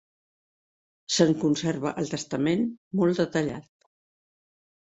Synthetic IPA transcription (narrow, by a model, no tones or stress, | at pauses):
səŋkunsɛɾβəʔəlˠt̪əst̪əmenmɔlˠd̪ət̪əʎa̰t̪̚